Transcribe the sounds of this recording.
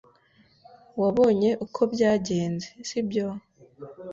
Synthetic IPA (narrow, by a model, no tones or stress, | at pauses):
waβo̞ːɲe̞ʔukʰo̞bɟaːɟe̞ːnzesibjoːh